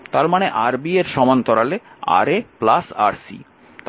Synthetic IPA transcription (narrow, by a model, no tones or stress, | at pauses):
t̪aɾmaneʔaɾbieɾʃɔmant̪ɔɾalea̰ɾeplasa̰ɾsḭ | t̪